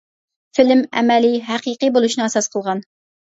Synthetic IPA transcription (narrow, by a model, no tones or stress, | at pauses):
fɪlmɛ̰mɛliɦæqiqibolˠuʃnɨæsɑsqʰəlˠʁɑn